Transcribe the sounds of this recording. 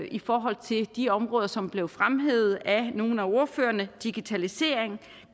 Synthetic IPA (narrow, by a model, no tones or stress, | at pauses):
ifɒːɦɒ̽l̰t͡sʰe̝ld̥iɒ̽mʁɔ̽ːðˠɐsɒ̽mb̥le̝ʊfʁamɦeð̩ˠæno̝ːn̩æo̝ɐfø̰ːɐnəd̥iɡ̥it͡sʰælise̝̰ːɐ̰eŋ